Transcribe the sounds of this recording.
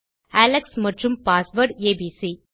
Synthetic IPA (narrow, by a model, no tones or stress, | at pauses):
æːlɐksmɐʈrɯmpaːsʋɐɾɖeːbisi